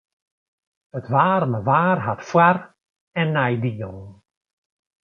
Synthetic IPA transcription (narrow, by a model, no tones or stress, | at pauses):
ətʋaːrməʋaːrɦatfwar | ɛnːɛjdiəlˠn